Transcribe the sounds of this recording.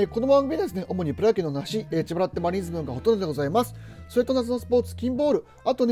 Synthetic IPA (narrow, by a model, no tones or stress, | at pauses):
eko̞d̪obãŋɡmʲiɲd̪esɨne̞ʔo̞mo̞ɲ̟ipɯ̟ɾakʲẽnonaɕieːt͡ɕibaɾat̪ːemaɾʲĩːzɨbɯ̟̃ŋɡaɦo̞t̪ond̪od̪eɡo̞zaimasɨ̥so̞ɾe̞t̪o̞nazɨnosɨ̥po̞ːt͡sɨ̥kʲĩmbo̞ːɾɯ̟ | at̪o̞ne